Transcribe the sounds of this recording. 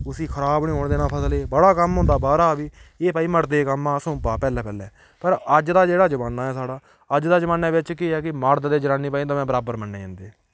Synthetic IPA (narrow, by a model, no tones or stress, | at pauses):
ʊsiːkʰəɾaːbnĩːɦoːɳd̪eːnãːpʰəsleːbəɽaːkəmɦʊ̃nd̪aːbaːɾaːbiːeːpaːiːməʈd̪eːkəmãːsũːpaːpɛːlɛːpɛːlɛː | pəɾəd͡ʒd̪aːd͡ʒeːɽaːd͡ʒəmaːnːaːɛːsaːɽaː | əd͡ʒd̪aːd͡ʒəmaːnaːʋɪt͡ʃkɪɦɛːkɪmaɾd̪d̪eːd͡ʒənaːnːiːpaːĩːt̪aːmɛ̃ːbəɾaːbəɾmənːḛːã̰ːnd̪eː